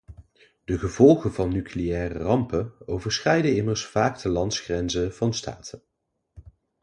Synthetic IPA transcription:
d̥əχəv̥ɔlˠχənvɑnːykʰleɛːrə̰rɑmpənowvəɹsχrɛjdənɪməɹsfaːɡdəlɑntsχrɛnzəv̥ɑnstʰa̰ːtʰən

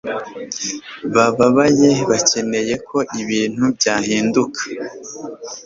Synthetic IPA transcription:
βaβaβaje̞βace̞ne̞je̞kʰo̞ʔiβiːn̥hubɟaːɦiːndukʰḁ

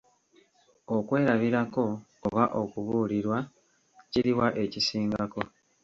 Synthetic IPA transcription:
o̞kwe̞ːɾaβiɾako̞ː | βaʔo̞kuβuːliɾwa | ciɾiwaʔe̞cisiːŋɡako̞

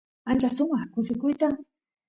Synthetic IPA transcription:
ant͡ʃasʊŋakʊsɪkʊjt̪aŋ

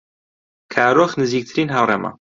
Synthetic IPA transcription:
kʰaːɾoːxnɨziːk̚t̪ʰɨɾiːnɦawrɛma̰

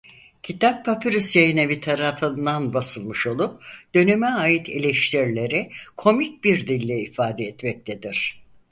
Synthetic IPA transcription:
cʰit̪ʰappʰapʰyɾysjajinevit̪ʰaɾafɯnd̪anbasɯlˠmɯʃo̞lˠup̚d̪̥ø̞nymɛaːjit̪ʰelʲɛʃt̪ʰiɾlʲe̞ɾɛkʰo̞mic̚biɾd̪ilʲːɛifaːd̪ɛɛt̪mɛc̚t̪ʰed̪iɾ̥

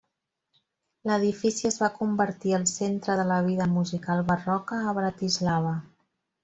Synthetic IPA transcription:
ləðifisiəzβakumbəɾt̪iəlˠsent̪ɾəðələβ̞iðəmuzikalˠβərɔkəːβɾət̪izlaβ̞ə

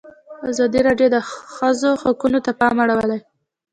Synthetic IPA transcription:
azɑd̪iɾɑɖjod̪əxəzoxakunot̪apɑmaɽawəlaj

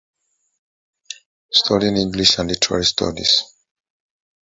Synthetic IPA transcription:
stʰɔɾĩnĩŋɡliʃãnlitʰɛɹa̰ɹistʰɔ̰dḭs

